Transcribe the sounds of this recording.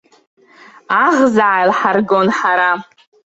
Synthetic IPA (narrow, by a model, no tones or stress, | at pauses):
aʁzaʕajlħarɡonħaɾa